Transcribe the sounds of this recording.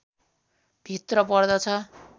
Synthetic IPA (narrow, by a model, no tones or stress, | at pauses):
b̥ʱit̪rʌpʌrd̪ʌt͡sʰʌ